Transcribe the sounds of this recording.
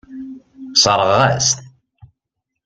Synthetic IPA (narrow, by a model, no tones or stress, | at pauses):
sˤəɾˤəʁæ̰st̪